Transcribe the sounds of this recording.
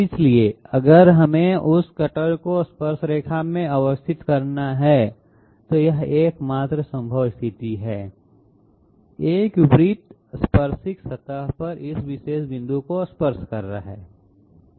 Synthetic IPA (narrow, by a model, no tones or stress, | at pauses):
ɪslieɐɡəɾɦɐmẽʊskɐʈəlkospəɾʃɾeːkʰaːmẽəʋəst̪ʰɪt̪kɐɾnaɦɛ | t̪ojɐɦeːkmaːt̪ɾəsɐ̃mbʱəʋst̪ʰɪt̪iɦɛː | eːkʊpɾiːt̪ | spəɾʃɪksɐt̪aɦpɐɾɪsʋɪʃeːʃbɪ̃nd̪ʱukospəɾʃkɐɾːa̰ɦɛ̰ː